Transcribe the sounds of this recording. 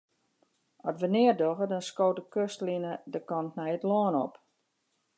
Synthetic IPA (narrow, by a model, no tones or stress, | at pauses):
ɔtʋənɪərdoɣədɔnskoːtəkøstlinədəkɔntnɛjətloːənɔp